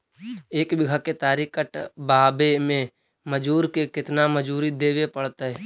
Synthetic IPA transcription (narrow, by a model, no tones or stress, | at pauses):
eːkbɪɡʱaket̪aːɾikəʈbaːbemẽ | məd͡ʒuːɾkekɪt̪naməd͡ʒuːɾid̪eːʋepəɽt̪aɦɛː